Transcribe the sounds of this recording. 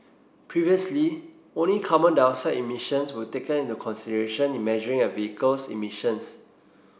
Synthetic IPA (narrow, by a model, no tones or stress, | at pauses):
pʰɹiviəsli | õnlikʰɔmə̃ndãʊnsaɪʔimiʃə̃nswətekə̃nĩntukʰɔ̃nsidəɹeʃə̃nĩnmɛʒɔɹĩŋəviikəlsḭmiʃə̃ns